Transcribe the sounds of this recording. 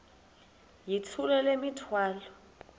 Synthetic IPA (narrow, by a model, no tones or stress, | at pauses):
jit͡sʰulɛlemitʰwaːlɔ